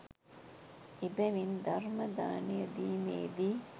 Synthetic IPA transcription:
ibɛʋind̪ɐrmɐd̪aːnijɐd̪iːmḛːd̪i

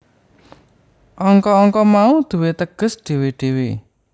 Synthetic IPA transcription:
ʔɔŋkɔːŋkɔmaud̪̥ṳwet̪əɡ̥ə̤sɖ̥e̤weɖ̥e̤we

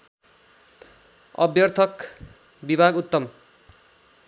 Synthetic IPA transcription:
ʌ̰bjʌrt̪ʰʌk | bibʱaɡut̪ːʌm

